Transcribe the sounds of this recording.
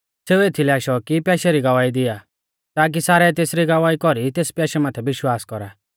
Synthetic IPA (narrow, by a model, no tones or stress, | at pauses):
seːueːt̪ʰilɛaːʃɔkipjaːʃɛɾiɡɐʋaːid̪ɪja | t̪aːk̬isaːɾɛt̪eːsɾiɡɐʋaːikɔɾit̪eːspjaːʃɛmaːt̪ʰɛʋɪʃwaːskɔɾa